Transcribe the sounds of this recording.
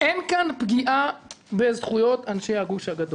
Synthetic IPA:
ʔenkanpɡiʔabezχujo̞t̪anʃejhaɡuʃhaɡad̪o

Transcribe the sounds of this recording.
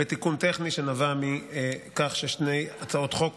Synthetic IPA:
et̪ikunt̪eχniʃenavamikaχʃeʃne̞jat͡sao̞t̪χo̞k

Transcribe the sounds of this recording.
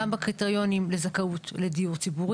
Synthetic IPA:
ambakʁit̪eʁjo̞nimlezakaut̪le̞diuʁt͡sibuʁ

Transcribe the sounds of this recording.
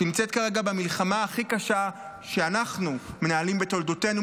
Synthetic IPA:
timt͡set̚kaʁe̞ɡabamilχamaːχikaʃa | ʃeanaχnume̞naːlimbet̪o̞ldo̞te̞nu

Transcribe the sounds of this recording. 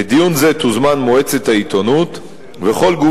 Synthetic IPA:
ed̪ijunze̞t̪uzmanmoet͡se̞t̪hait̪onut̪ | veχo̞lɡu

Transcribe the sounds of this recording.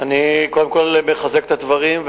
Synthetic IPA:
aniko̞d̪e̞mko̞lmeχaze̞k̚t̪ad̪vaʁimv

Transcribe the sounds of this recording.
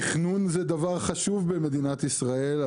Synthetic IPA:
χnunzed̪avaʁχaʃuvbeme̞d̪inat̪isʁael

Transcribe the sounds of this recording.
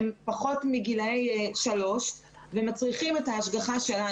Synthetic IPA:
mpaχo̞tmiɡilaejʃalo̞ʃ | vemat͡sʁiχimethaːʃɡaχaʃe̞la

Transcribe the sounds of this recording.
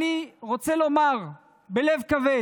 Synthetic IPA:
iʁot͡selo̞maʁ | belevkave

